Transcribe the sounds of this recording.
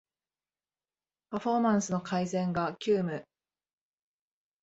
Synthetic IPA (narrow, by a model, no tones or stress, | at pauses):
paɸo̞mãɰ̃sɨno̞kʰaizẽ̞ŋɡakʲɨːmɯ̟